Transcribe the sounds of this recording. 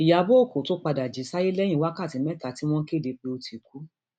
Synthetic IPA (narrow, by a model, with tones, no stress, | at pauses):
i˨ja˨˧bo˦o˦˨ko˨˦to˦k͡pa˧da˨d͡ʒi˨˦sa˦ji˦lɛ˦jĩ˦wa˦ka˦˨ti˨˦mɛ̃˦ta˨˦ti˦w̃ɔ̃˦ke˦˨de˧k͡pe˧o˧ti˨ku˦